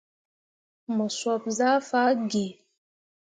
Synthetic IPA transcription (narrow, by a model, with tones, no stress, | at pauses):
mə˨swɔ˨p̚za˦fa˦ɡe˨